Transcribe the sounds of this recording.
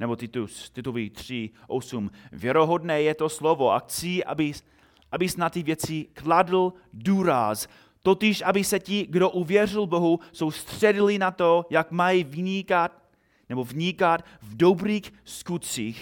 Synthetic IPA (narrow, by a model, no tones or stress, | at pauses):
nɛbot̪ɪt̪ust̪ɪt̪uvit̪r̝̥iʔosumvjɛɾoɦodnɛːjɛt̪o̞slovoʔa̰xt͡siʔa̰bɪ | ʔabɪsnat̪ɪvjɛt͡sɪkladl̩ | duːɾas | t̪ot̪ɪʃʔabɪsɛcɪɡdo̞ʔuvjɛr̝ɪlbo̞ɦuso̞wst̪r̥ɛdɪlɪnat̪ojakmajivɲikat̪ | nɛbovɲikat̪ | vdobɾiːxskut̪t͡siːx